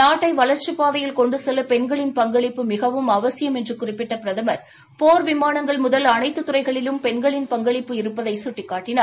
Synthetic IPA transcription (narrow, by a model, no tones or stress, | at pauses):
naːʈːɐɪʋɐɭɐɾt͡ʃːɯpːaːðɐjɪlkɔɳɖɯsɛlːɐpɛnɡɐɭɪnpɐŋɡɐɭɪpːɯmɪɣɐʋɯmɐʋɐsɪjɐmɛndrɯkʊrɪpːɪʈːɐpɪɾɐðɐmɐɾ | poːɾʋɪmaːnɐŋɡɐɭmʊðɐlɐnɐɪt̪ːɯt̪ːʊrɐɪɣɐɭɪlɯmpɛnɡɐɭɪnpɐŋɡɐɭɪpːɯɪɾɯpːɐðɐɪsʊʈːɪkːaːʈːɪnaː